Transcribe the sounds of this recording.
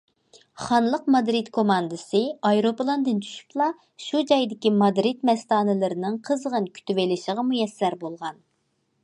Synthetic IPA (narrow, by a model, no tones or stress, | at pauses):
χɑnlˠəq̚mɑd̪ɾit̪kʰomɑnd̪ɨsɨɑjɾopɨlˠɑnd̪ɨnt̪ʰy̥ʃy̥plˠɑ | ʃud͡ʒɑjd̪ɪkʲimɑd̪ɾɪt̪mɛst̪ɑːnɨlɨɾɪnɨŋqʰəzʁənkʲʰy̥t̪yvelɪʃəʁɑmujɛsːæɾbolˠʁɑn